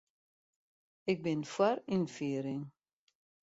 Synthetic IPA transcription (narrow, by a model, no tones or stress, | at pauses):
ɪk̚bɪnfwarinfiːɾɪŋ